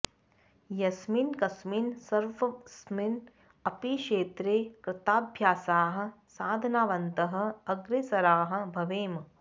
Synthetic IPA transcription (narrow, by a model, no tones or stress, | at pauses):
jɐsminkɐsmiːnsɐɾʋɐsmin | ɐpiʃeːt̪ɾeːkɾɪt̪aːbʱjaːsaːɦɐ̆ | saːd̪ʱɐnaːʋɐnt̪ɐɦɐ̆ɐɡɾesɐɾaːɦɐ̆bʱɐʋeːm